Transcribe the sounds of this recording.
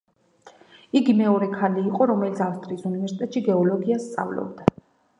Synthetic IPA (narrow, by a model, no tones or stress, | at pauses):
iɡimɛɔɾɛkʰaliːqʼɔɾɔmɛlit̪sʰafst̪ʼɾiːsunivɛɾsi̥t̪ʼɛt̪ʼʃiɡɛɔlɔɡiast̪sʼa̰vlɔ̰bd̪a